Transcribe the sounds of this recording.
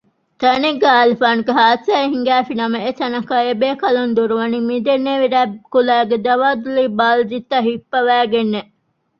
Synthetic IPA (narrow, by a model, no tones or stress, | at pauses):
t̪ɐneɡeaːlifaːnuɡeɦaːsæːiɦiŋɡæːfinɐmɐet̪ɐnɐkɐebeːkɐlund̪uɾuʋɐnimid̪enːeʋiɾæːkulæːɡed̪ɐʋaːd̪uliːbaːld͡ʒit̪ːɐɦipːɐʋæːɡenːe